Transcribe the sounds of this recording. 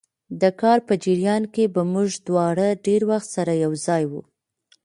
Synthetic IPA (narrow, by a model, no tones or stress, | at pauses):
d̪əkɑɾpəd͡ʒɪɾjɑnkebamuʒd̪wɑɽəɖeɾwaxt̪saɾajawzɑjwṵ